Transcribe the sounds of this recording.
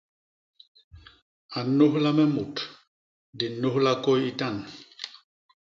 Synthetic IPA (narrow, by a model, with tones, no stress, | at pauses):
a˨no˦ɦla˦mɛ˦mu˨t | di˨nːo˦hla˦kɔ˦ji˦ta˦˨n